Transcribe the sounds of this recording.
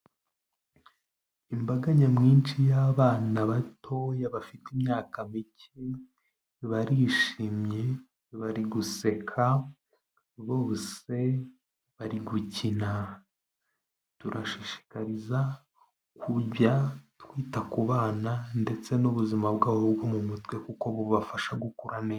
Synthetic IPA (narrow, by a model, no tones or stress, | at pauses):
imbaɡaɲemŋiːnt͡ʃijaːβaːnaβatʰo̞jaβafitimɲaːkamicʰ | e | βaɾiʃiːmɲe̞ | βaɾiɡuse̞kʰa | βo̞ːse̞ | βaɾiɡucina | tuɾʔaʃiʃi̥kaɾiza | kʰuɟatkwiːtakuβaːnande̞t͡se̞nuβuzimabɡaːhobɡo̞mumutwe̞kuko̞βuβafaʃaɡukuɾaneː